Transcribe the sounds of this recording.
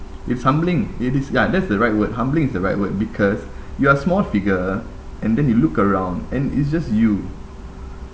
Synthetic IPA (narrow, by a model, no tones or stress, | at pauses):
itshãmblĩŋitisjadɛtsdəɹaɪt̚wət̚ɦãmblĩŋɪsdəɹaɪt̚wət̚bikʰɔs | juəsmɔlfiɡə | ʔɛ̃ndɛ̃njulukəɹãʊ̃ndɛ̃nḭts̬d͡ʒasju